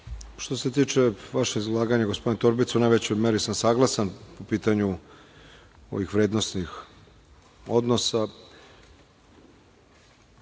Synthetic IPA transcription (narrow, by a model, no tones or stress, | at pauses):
ʃt̪o̞set̪iːt͡ʂeʋaʃeizlˠaːɡaɲaɡospo̞d̪int̪oɾbit̪sunajʋet͡ɕojmeɾisamsaːɡlˠasanpopiːt̪aɲu | o̞̰ʋixʋɾeːd̪nost̪nix | o̞d̪no̞sa